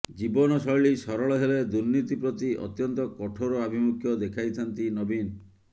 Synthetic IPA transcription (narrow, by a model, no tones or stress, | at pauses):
d͡ʒibɔnɔsɔjɭisɔɾɔɭɔɦeled̪uɾnit̪ipɾɔt̪iʔɔ̰t̪jɔnt̪ɔkɔʈʰoɾoabʱimukʰjɔd̪ekʰajt̪ʰant̪inɔbin